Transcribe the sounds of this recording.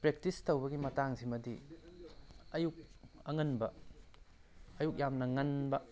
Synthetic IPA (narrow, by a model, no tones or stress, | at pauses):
pɾek̚tistowbɐɡimɐtaŋsimɐdi | ɐjuk̚ɐŋɐnbɐ | juk̚jamnɐŋɐnbɐ